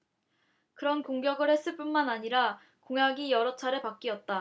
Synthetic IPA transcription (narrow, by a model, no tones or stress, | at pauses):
kɯɾʌnkoŋɡjʌɡɯɭhe̞s͈ɯɭp͈unmanaɲiɾa | koŋjaɡijʌɾʌt͡ɕʰaɾepak͈̚iʌt̚t͈a